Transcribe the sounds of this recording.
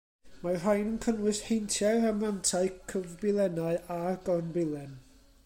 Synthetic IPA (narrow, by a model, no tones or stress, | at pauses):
mar̥ajnənkʰənwɪshejntʰjɛɾamlantʰaɨkʰəvbɪlˠɛnaɨʔaɡ̥ɔrnbɪlˠɛn